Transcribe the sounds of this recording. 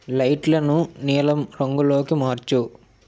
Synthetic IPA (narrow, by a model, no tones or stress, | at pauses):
lɐjʈlɐnuniːlɐmɾoŋɡulo̞ːkimaːɾt͡ʃu